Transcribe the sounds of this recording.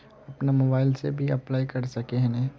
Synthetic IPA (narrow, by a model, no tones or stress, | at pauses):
ɐpnamoːbaːɪlsḛbʱiɐplaːikɐɾsɐkeɦɛnɛ̃